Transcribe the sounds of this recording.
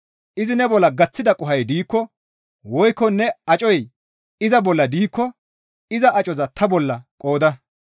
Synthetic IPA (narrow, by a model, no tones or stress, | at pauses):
ʔɪzɪnɛbɔlːɐɡɐt͡sːɪd̪ɐkʼʊɦɐjd̪iːkːɔ | wɔjkːɔnːɛɐt͡ʃʼɔj | ɪzɐbɔlːɐd̪iːkːɔ | ɪzɐʔɐt͡ʃʼɔzɐt̪ɐbɔlːɐkʼoːd̪ɐ